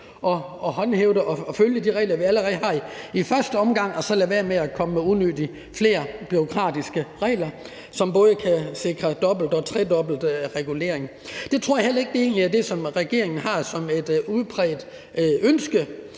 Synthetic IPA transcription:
ʔɒ̽ɒhɒ̽nheʊdˠəʔɒ̽ɒ̽føljəd̥iʁɛ̰ːlɐʋiæləʁɛð̩ˠɦɑ̈iifɶɐsd̥əɒ̽mɡ̥ɑ̈ŋ̰ɒ̽sɒ̽læʋæːɐmeækʰɒ̽məmeunød̥i | fle̝̰ːɐb̥yʁo̝kʰʁɑ̰̈ːd̥isɡ̥əʁɛ̰ːlɐ | sɒ̽mb̥ɔ̽ːðˠəkʰæse̝ɡ̥ʁɐd̥ɒ̽b̥l̩d̥ɒ̽t͡sʰʁɛdɒ̽b̥l̩d̥ʁɛɡ̥ule̝ɐ̰e̝ŋ | d̥e̝t͡sʰʁo̝ɐ̰jɑ̈hel̰ɐe̝ɡ̥əd̥e̝e̝̰ːnliæd̥e̝sɒ̽mʁɛɡ̥e̝ɐ̰e̝ŋn̩ɦɑ̈sɒ̽me̝d̥uð̩ˠpʰʁɛːd̥ | ønsɡ̥ə

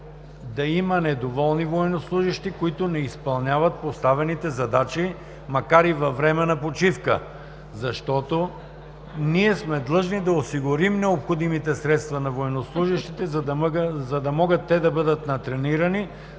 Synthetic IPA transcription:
d̪ɐimɐnɛd̪ovɔlˠnivoɛnoslˠuʒiʃt̪ikoit̪onɛispɐlˠnʲavɐt̪̚post̪avɛnit̪ɛzɐd̪at͡ʃi | mɐkaɾivɐvɾɛmɛnɐpot͡ʃifkə̰ | zɐʃt̪ɔt̪o | niɛsmɛd̪lˠɤʒnid̪ɐosiɡʊɾimnɛopxod̪imit̪ɛsɾɛt̪st̪vɐnɐvoɛnoslˠuʒiʃt̪it̪ɛzɐzɐd̪ɐmɔɡət̪ːɛd̪ɐbɤd̪ət̪nɐt̪ɾɛniɾɐni

